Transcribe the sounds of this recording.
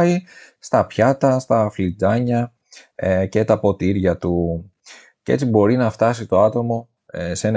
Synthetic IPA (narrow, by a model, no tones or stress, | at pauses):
ist̪ɐpçɐt̪ɐst̪ɐflid͡zɐɲɐ | ce̞t̪ɐpo̞t̪iɾʝɐt̪u | cee̞̰t͡sibo̞ɾinɐft̪ɐsit̪o̞ɐt̪o̞mo̞ | se̞n